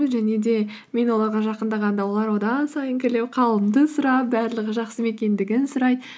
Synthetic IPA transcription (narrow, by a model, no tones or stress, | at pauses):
ʒæne̞d̪e̞ | me̞nwo̞lˠɑɾʁɑʒɑqənd̪ɑʁɑnd̪ɑwo̞lˠɑɾwo̞d̪ɑsɑjəŋkʲʰɪle̞wqʰɑlˠəmd̪əsʊɾɑp̚bæɾləʁəʒɑqsəme̞kʲe̞nd̪ɪɡʲɪnsʊɾɑjd̪ə